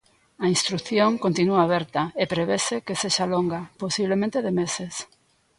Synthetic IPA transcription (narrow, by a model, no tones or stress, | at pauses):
ɐinst̪ɾuθjõŋkont̪inuaːβɛɾt̪aepɾeβesekeseʃaloŋɡaposiβlemẽnt̪eðemeses